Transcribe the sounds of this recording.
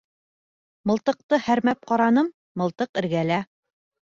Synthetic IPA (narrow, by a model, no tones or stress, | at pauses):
mɤ̆lˠt̪ɤ̆q̚t̪ɤhæɾmæp̚qɑɾɑnɤmːɤ̆lˠt̪ɤqɘ̆ɾɡælæ